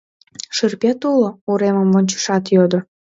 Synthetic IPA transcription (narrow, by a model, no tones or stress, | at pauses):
ʃɨrpʲet̪ulouɾeməmvonʲt͡ɕə̥ʃɑt̪jod̪o